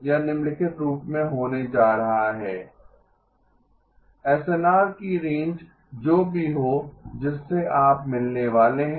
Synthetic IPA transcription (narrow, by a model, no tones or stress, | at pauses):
janɪmlɪkɪʈɾuːpmẽɦoːned͡ʒaːɾɐɦaɦɛː | ɛːseːnaːɾkiɾẽːɲd͡ʒ | d͡ʒoːbʱiɦod͡ʒɪsːeʔaːpmɪlneʋaːleɦɛ̃